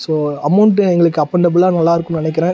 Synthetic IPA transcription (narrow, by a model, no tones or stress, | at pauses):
soːɐmːɐɳʈːɯɛŋɡɐɭɯkːɯɐpːɐɳɖɐbɯɭãːnɐlːaːɪɾɯkːʊ̃nɪnɛk̬ːɪɾẽː